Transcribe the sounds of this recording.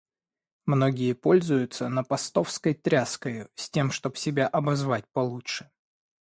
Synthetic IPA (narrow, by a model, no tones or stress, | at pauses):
mno̞ɡʲɪjəpo̞lʲzʊjʊt̪sənəpɐst̪o̞fskəjt̪ɾʲaskəjʊsʲtʲe̞mʂt̪o̞bsʲɪbʲaʔɐbɐzvat̚ʲpɐlˠutʂɨ̥